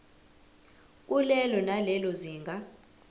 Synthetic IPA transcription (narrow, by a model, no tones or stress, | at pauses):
k̬ʼulɛlɔnalɛlɔziːŋɡʱa